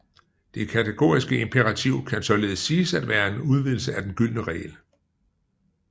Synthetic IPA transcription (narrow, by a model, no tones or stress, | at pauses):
d̥e̝kʰæt͡sʰeɡ̥o̝ːisɡ̥əe̝mpʰeʁɑ̈t͡sʰiʊ̰kʰænsɒ̽le̝ːð̞̩ˠəsːiːsæd̥ʋæːɐe̝nuð̞ˠʋið̰ˠl̩səæd̥enɡ̥yl̰nəʁɛ̰ːl